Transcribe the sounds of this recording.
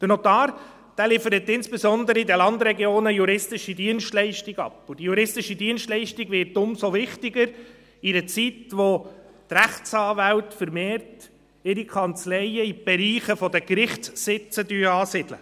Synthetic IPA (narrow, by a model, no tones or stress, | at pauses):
d̥ənɔt̪ɑːɾ | d̥æːlɪfəɾət̪ːɪnsb̥ɛsɔnd̪əɾəidəlɑnd̪ɾɛɡjoːnəjuɾɪstɪʃidiənʃtlɛɪʃtɪɡɑ̰pːʊd̥ijuɾɪstɪʃidiənsʃtlɛɪʃtiɡʋɪrtʊmsoʋɪχtɪɡəɾ | ɪdət͡sitʋotɾæχt͡sɑːʋæltfəɾmeːɾt | ɪɾikʰɑnt͡slɛɪəib̥ɛɾiːχəfɔdəkɾɪχtsːɪt͡sədyːɑːsɪd̥̪lə̰